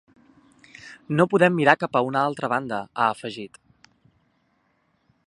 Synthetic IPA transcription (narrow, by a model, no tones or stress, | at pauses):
nopuðɛmːiɾakapəunəalˠt̪ɾəβand̪əaəfəʒit̪